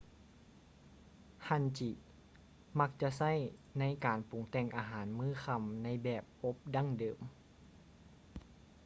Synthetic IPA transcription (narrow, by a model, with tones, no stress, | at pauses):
ha˧˩˨nt͡ɕi˧˩ | ma˧˥k̚t͡ɕa˧sa˥˩˨jna˧˥˨jkaː˨˩npu˨˦ŋt̪ɛ˧˩ŋʔaː˧ɦaː˩˦nmɯː˧˥˩xa˧˩mna˧˥jbɛː˨˩p̚ʔo˧˦˥p̚da˧˥˨ŋdɤː˨˩m